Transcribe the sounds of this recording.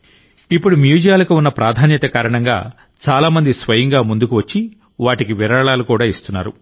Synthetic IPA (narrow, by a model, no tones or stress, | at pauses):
ipːuɽumjuːd͡ʒɐjaːlɐkuunːɐpɾʔaːd̪ʱaːnjɐt̪ɐkaːɾɐɳɐŋɡa̰ː | t͡ʃaːlaːmɐnd̪isʋɐjɐŋɡaːmund̪ukuʋɐt͡ʃːi | ʋaːʈikiʋiɾɐɭaːlukuːɽaːist̪unːa̰ːɾṵ